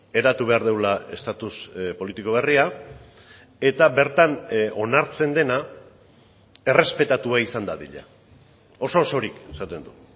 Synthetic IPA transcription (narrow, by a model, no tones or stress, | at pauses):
e̞ɾat̪uβe̞aɾðewlae̞st̪at̪uspo̞lit̪iko̞β̞e̞ria | e̞t̪abe̞ɾt̪ano̞naɾt͡se̞nd̪e̞na | e̞re̞spe̞t̪at̪uaisand̪aðḭʎa | o̞so̞ːso̞ɾike̞sat̪e̞nd̪u